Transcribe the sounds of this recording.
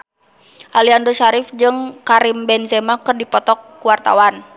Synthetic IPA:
ʔaliandoʃaɾɪfd͡ʒɨŋkaɾimbɛnzɛmakɨrdipɔt̪ɔkːuwart̪a̰wan

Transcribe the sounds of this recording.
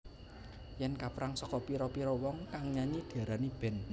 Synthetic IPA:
jɛnkapɾaŋsɔkɔpiɾɔpiɾɔwɔŋkaŋɲaɲid̪̥iaɾanib̥ɛ̤n

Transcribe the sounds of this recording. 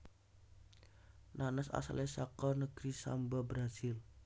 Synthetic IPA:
nʔanəsa̰sa̰lɛsakɔrnəɡ̥ɾisa̰mbabɾasɪl

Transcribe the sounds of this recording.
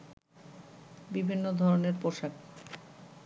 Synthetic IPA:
bibʱinːod̪ʱɔɾoneɾpoʃak

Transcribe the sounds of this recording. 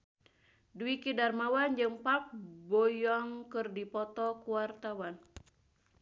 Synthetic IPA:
duikidarmawand͡ʒɨŋpak̚bɔjɔŋkɨrdipɔt̪ɔkuwart̪awan

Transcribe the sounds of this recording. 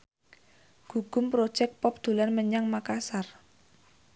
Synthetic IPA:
ɡ̥ṳɡ̥ʊ̤mpɾod̥ʒ̥ɛk̚pɔp̚d̪̥ṳlanməɲaŋmakasar

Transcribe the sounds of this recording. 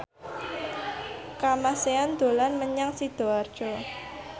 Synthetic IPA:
kamaseand̪̥o̤lanməɲaŋsid̪̥o̤ard̥ʒ̥ɔ

